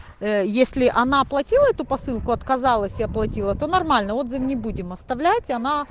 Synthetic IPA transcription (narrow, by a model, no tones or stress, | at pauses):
jesʲlʲɪʔɐnaplˠɐtʲilˠəɛt̪ʊpɐsɨlˠkʊɐt̪kɐzalˠəsʲɪɐplˠɐtʲilˠət̪o̞nɐrmalʲnəo̞d̪zɨfnʲɪbudʲɪmɐst̪ɐvlʲætʲɐna